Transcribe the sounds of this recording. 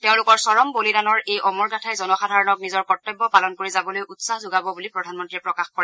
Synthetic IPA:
teʊ̃lʊkɔɹsɔɹɔmbolidanɔɹejʔɔmɔɹɡatʰajzɔnɔxadʱaɹɔnɔk̚nizɔɹkɔtːɔbːɔpalɔnkoɹizabɔlojʔutsaɦzʊɡabɔbulipɹɔdʱanmɔntɹiɛpɹɔkaxkɔɹɛ

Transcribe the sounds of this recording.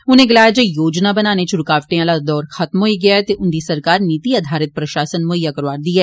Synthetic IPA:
ʊnẽɡɪlaːjad͡ʒəjoːd͡ʒnabənaːnet͡ʃʊɾkaːʋʈẽãlad̪ɔːɾxət̪mɦoiɡɪjaɛt̪eʔʊnd̪isəɾkaːɾniːt̪iɐd̪ʱaːɾɪt̪̚pɾɐʃaːsənmoəjːakəɾʋaːɾd̪iɛː

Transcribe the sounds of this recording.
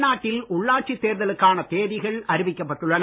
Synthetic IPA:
naːʈːɪlʔʊɭːaːʈ̚t͡ʃit̪ːeːɾðɐlɯkːaːnɐt̪eːðɪɣɐɭɐɾɯʋɪkːɐpːɐʈːɯɭːɐn

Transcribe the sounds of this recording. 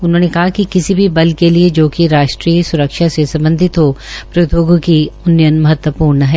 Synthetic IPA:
ʊnɦõːnekɐɦakikɪsibʱibɐlkelied͡ʒoːkiɾaːʃʈɾiːsʊɾəkʃasesɐ̃mbə̃nd̪ʱɪt̪ɦopɾɐt̪oːɡokiʊnːjənmɐɦət̪wəpuːɾnəɦɛː

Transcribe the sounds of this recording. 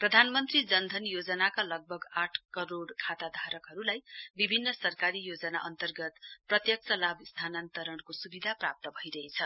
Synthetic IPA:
prʌd̪ʱanmʌnt̪rid͡zʌnd̪ʱʌnjod͡zʌnakalʌɡ̚bʱʌɡaʈʰkʌɾoɽkʰat̪ad̪ʱaɾʌkɦʌɾulajbibʱinːʌsʌrkaɾijod͡zʌna̰ʔʌnt̪ʌrɡʌt̪prʌt̪jʌk̚t͡sʌlabist̪ʰanant̪ʌɾʌɳkosubid̪ʱaprap̚t̪ʌbʱʌiɾʌɦet͡sʰʌ

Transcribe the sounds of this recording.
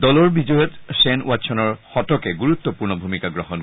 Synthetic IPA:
dɔlɔɹbid͡ʒɔjɔtsɛnw̰atsʰɔnɔɹxɔtɔkɛɡuɹut̪ːɔpuɹnɔbʱumikaɡɹɔhɔn

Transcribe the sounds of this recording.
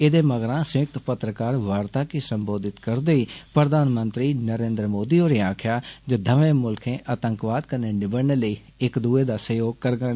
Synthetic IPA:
ɪd̪eːməɡɾãːsɪ̃k̚t̪pət̪ɾəkaːɾʋaːɾt̪aːkisəmboːd̪ɪt̪kəɾd̪eiːpɾəd̪ʱaːnmənt̪ɾiːnəɾẽːnd̪ɾəmoːd̪iːoːɾeːaːkʰjaːd͡ʒəd̪ʱəʋẽːmʊlkʰẽːʔət̪əŋkʋaːd̪kəneːnɪbəɽneːləiː | ɪkd̪uːeːd̪aːsəjoːɡkəɾɡə

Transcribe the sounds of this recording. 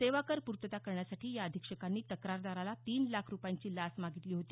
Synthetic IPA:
seʋakəɾpuɾt̪ət̪akəɾɳjasaʈʰiːjaəd̪ʱikʂəkanːiːt̪əkɾaɾd̪aɾalat̪iːnlakʰɾupjaɲt͡ɕiːlasmaɡit̪liːɦot̪iː

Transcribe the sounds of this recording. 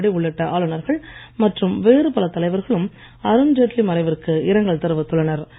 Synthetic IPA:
ɽɪʊɭːɪʈːɐʔaːɭɯnɐɾɣɐɭmɐʈrɯmʋeːrɯpɐlɐt̪ɐlɐɪʋɐɾɣɐɭɯm | ɐɾɯmd͡ʒeʈlimɐɾɐɪʋɪɾkɯɪɾɐŋɡɐɭt̪ɐɾɯʋɐt̪ːɯɭɐnɐɾ

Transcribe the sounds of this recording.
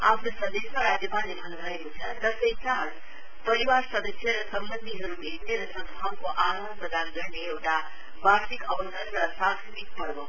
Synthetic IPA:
apʰnosʌd̪esmaɾad͡ʒjəpalebʱʌnʌekot͡sʰʌt̪ʌsəjkan | pʌɾiwaɾsʌd̪əsjʌɾʌsʌmbənd̪ʱiɦʌɾubet̪ʰneɾʌsʌ̃ŋd̪ʱamkoʔaɾond̪pʌd̪ʱanɡʌɾneewʈa | basikʌbəsʌnːʌsãŋsibit̪̚pʌɾbo

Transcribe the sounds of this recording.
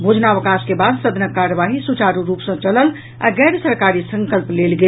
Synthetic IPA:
bʱod͡ʒʱnaʋəkaskebad̪səd̪nəkːaɾəʋaɦisut͡ʃaɾuɾupsə̃t͡ʃələl | a̰ɡɛɾsəɾkaɾisəŋkəlplelɡe

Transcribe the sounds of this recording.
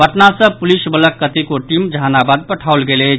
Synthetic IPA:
əʈnasəpulisbələkːət̪ikoʈimd͡ʒʱanabad̪̚pəʈʰawlɡele

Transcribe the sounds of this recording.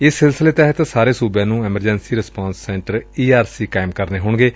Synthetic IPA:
ɪsːɪlsɪleːt̪ɛɦət̪saːɾeːsuːbjãːnũːɛːməɾd͡ʒɛnsiːɾɪspãːnsːɛ̃ːɳʈəɾiːaːɾsiːkaːɪmkəɾneːɦʊɳɡeː

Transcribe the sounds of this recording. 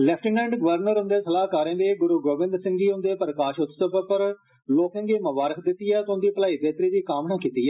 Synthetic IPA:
lɛːpʰʈənlɛ̃ːɳɖɡəʋəɾnəɾʊ̃nd̪eːsəlaːkaːɾẽːd̪eːɡʊɾuːɡoːʋɪ̃nd̪ɾsɪ̃ŋɡiːʊ̃nd̪eːpəɾəkaːʃʊt̪ːsəpəpəɾ | loːkə̃ŋɡeːməʋaːɾəkʰd̪ɪt̪ːijɛːt̪ːʊ̃nd̪iːpəlaːiːbeːt̪ɾiːd̪iːkaːmnãːkiːt̪iːɛː

